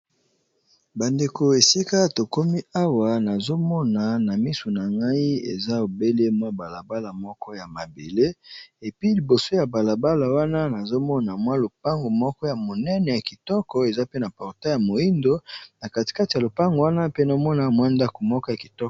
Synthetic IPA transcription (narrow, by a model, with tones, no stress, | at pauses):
ba˨nde˨ko˨e˨si˦ka˦to˨ko˦mi˦a˦wa˨na˨zo˦mɔ˦na˨na˨mi˦su˨na˨ŋɡa˦i˦ḛ˨za˦o˨be˦le˦mwa˦ba˨la˨ba˦la˨mɔ˦kɔ˦ja˨ma˨be˨le˦e˨pi˦li˨bo˨so˦ja˨ba˨la˨ba˦la˨wa˦na˦na˨zo˦mɔ˦na˨mwa˦lo˨pa˦ŋɡo˨mɔ˦kɔ˦ja˨mo˨nɛ˦nɛ˨ja˨ki˨tɔ˦kɔ˨e˨za˦pe˦na˨pɔ˨ʁta˦ja˨mo˨i˦ndo˦na˨ka˨ti̥˨ka˦ti˨a˨lo˨pa˦ŋɡo˨wa˦na˦pe˦na˨˦mɔ˦na˨mwa˦nda˦ko˨mɔ˦kɔ˦ja˨ki̥˨tɔ˦kɔ˨